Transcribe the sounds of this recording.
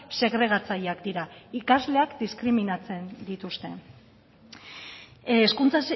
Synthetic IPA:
se̞ɣɾe̞ɣ̞at͡sajakd̪iɾaikazle̞akd̪iskɾiminat͡se̞nd̪it̪ust̪e̞ | skunt͡sa

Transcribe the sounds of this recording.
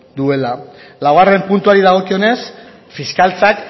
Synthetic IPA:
d̪ue̞lalaware̞mpunt̪uaɾiðaɣ̞o̞kio̞ne̞s | fiskalt͡sak

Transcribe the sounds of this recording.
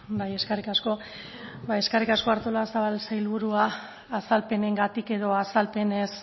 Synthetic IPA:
baje̞skarikasko̞ | baeskarikasko̞aɾt̪olasaβalsajlβuɾuaː | salpe̞ne̞ŋɡat̪ike̞ðo̞asalpe̞ne̞s

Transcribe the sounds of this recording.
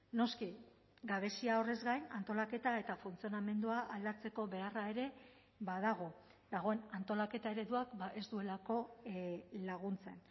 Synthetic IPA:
no̞ski | ɡaβ̞e̞siao̞re̞zɡajnant̪o̞lake̞t̪ae̞t̪afunt͡sio̞name̞nd̪uaʔald̪aɾt͡se̞ko̞βe̞arae̞ɾe̞ | βað̞aɣ̞o̞ | d̪aɣo̞e̞nant̪o̞lake̞t̪ae̞ɾe̞ðuakbaʔe̞zd̪ue̞lako̞ | laɣ̞unt͡se̞n

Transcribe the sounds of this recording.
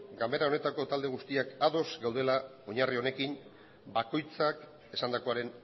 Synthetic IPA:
ɡambe̞ɾaone̞t̪ako̞t̪ald̪e̞ɣ̞ust̪iakaðo̞zɡawð̞e̞la | o̞ɲario̞ne̞kin | bako̞jt͡sak | e̞sand̪ako̞aɾe̞n

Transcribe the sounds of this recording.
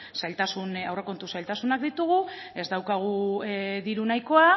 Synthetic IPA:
sajlt̪asunawre̞ko̞nt̪usajlt̪asunakd̪it̪uɣ̞u | e̞zd̪awkaɣ̞uðiɾunajko̞a

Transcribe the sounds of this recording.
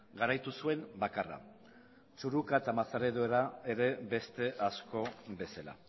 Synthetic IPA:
ɡaɾajt̪usue̞mbakara̰ | t͡ʃuɾukaet̪amaθaɾe̞ðoeɾae̞ɾe̞be̞st̪e̞ʔasko̞be̞sala̰

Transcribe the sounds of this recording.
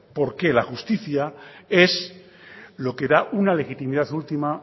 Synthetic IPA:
po̞ɾke̞laxust̪iθjae̞s | lo̞ke̞ðaʔunale̞xit̪imiðaθult̪ima

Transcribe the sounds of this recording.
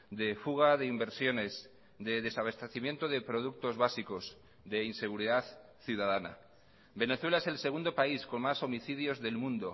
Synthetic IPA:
d̪e̞fuɣ̞aðe̞imbe̞ɾsjo̞ne̞z | d̪e̞ðe̞saβest̪e̞θimje̞nt̪oðe̞pɾo̞ð̞uk̚t̪o̞zβasiko̞z | ðe̞inse̞ɣ̞uɾiðaθ | θjuðaðana̰ | be̞ne̞θwelaeselse̞ɣũnd̪o̞paisko̞nmaso̞miθið̞jo̞zðe̞lmũnd̪o̞

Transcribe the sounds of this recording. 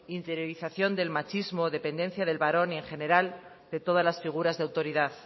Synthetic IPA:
int̪e̞ɾjo̞ɾiθaθjo̞nd̪e̞lmat͡ʃizmo̞ðe̞pe̞nd̪e̞n̟θjaðe̞lβaɾo̞ne̞ŋxe̞ne̞ɾal | d̪e̞t̪o̞ð̞azlasfiɣ̞uɾazðeawt̪o̞ɾiðað

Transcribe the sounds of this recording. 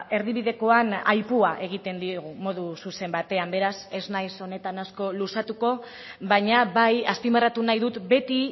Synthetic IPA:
e̞ɾðiβ̞iðe̞ko̞anajpuaʔe̞ɣ̞it̪e̞nd̪iɣ̞umo̞ðususe̞mbat̪e̞ambe̞ɾase̞znajso̞ne̞t̪anasko̞lusat̪uko̞ | βaɲaβajaspimerat̪unajðut̪be̞t̪i

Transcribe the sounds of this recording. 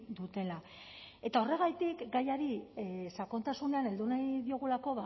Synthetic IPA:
d̪ut̪e̞la | e̞t̪ao̞re̞ɣ̞ajt̪ikɡajaɾisako̞nt̪asune̞ane̞ld̪unajðio̞ɣ̞ulako̞βa

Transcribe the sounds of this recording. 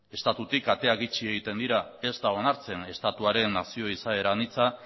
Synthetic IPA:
e̞st̪at̪ut̪ikat̪e̞aɣit͡ʃie̞ɣ̞it̪e̞nd̪iɾae̞zt̪ao̞naɾt͡se̞ne̞st̪at̪uaɾe̞nːasio̞isae̞ɾanit͡sa

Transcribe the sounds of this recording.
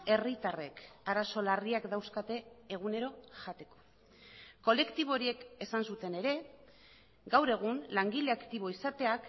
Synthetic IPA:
e̞rit̪are̞kaɾaso̞lariakd̪awskat̪e̞ːɣ̞une̞ɾo̞ʝat̪e̞ko̥ | ko̞le̞kt̪iβ̞o̞ɾie̞ke̞sansut̪e̞ne̞ɾe̞ | ɡawɾe̞ɣ̞unlaŋɡile̞akt̪iβ̞o̞isat̪e̞ak

